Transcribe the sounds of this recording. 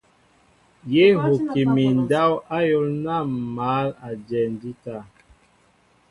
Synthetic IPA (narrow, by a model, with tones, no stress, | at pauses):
je˦ɦo˨ki˨mi˨n˨da˦wa˦jo˦lna˦˨ma˨˦la˨d͡ʒɛ˨n˨di˦ta˦˨